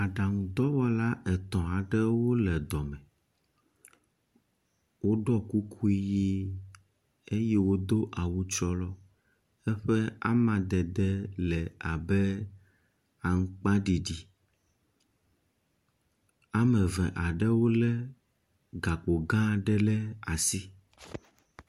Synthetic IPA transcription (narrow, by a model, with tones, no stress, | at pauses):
a˨ɖa˨ŋũ˨d̪ɔ˦wɔ˦la˦ɛ˨t̪ɔ̃˨a˨ɖɛ˦wo˦lɛ˨d̪ɔ˨mɛ̃˨ | wo˦ɖɔ˦ku˦kʰu˦i˦ji˦ | e˦jɛ˦wo˦d̪o˦ʔa˨wu˦t͡ʃɔ˦lɔ˦ | ɛ˦ɸɛ˦a̰˦mã˨d̪ɛ˨d̪ɛ˦lɛ˨a˨bɛ˦ | a˨ŋ̩˦k͡pa˦ɖi˨ɖi˦ | a˦mɛ̃˨vɛ̰̃˨ʔa˨ɖɛ˦wo˦lɛ˦ | ɡa˨k͡po˨ɡã˦ɖɛ˦lɛ˦a˨si˦